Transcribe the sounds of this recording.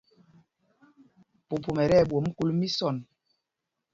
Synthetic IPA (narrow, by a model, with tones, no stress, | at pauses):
po˨pu˨mɛ˨ɾɛ˦˨ɓwo˨˦m̩˦ku˦lmi˦sɔ˦˨n